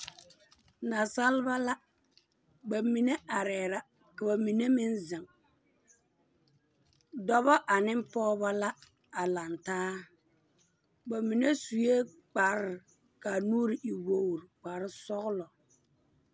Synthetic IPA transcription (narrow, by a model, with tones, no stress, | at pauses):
na˨sa˦lba˦la˦ | ba˨mi˨ne˦a˨ɾɛː˨ɾa˦ | ka˨ba˨mi˨ne˦mɪ˦nzɪ˨ŋ | dɔ˦bɔ˦ʔa˨nɪ˦m˦pɔː˦ba˦la˦ | a˨la˨ntaː˦ | ba˨mi˨ne˦su˨je˦ | k͡pa˨ɾɪ˦˨ | ka˨nuː˦ɾi˨i˨wo˨ɾk͡pa˨ɾɪ˦sɔ˦ɣlɔ˨